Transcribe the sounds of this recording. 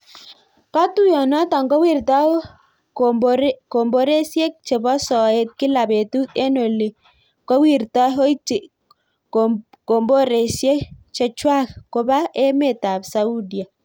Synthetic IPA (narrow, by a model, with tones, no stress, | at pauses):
ka˦tu˦jɔ˨nɔ˦ta˨ŋɡɔ˦wi˦˨rta˦ | bko˨mbo˦ɾe˦sje˦k̚t͡ʃe˨bɔ˦sɔ˨e˦t̪̚kɪ˦la˨be˨tu˦te˦no˨li˨ | kɔ˦wi˦˨ɾta˦ɦo˦i˦t͡ʃi˨ | ko˨mbo˦ɾe˨sje˦t͡ʃɛ˨t͡ʃwa˦kko˨ba˦ʔɛ˦me˦˨ta˨bsa˦u˦dja˨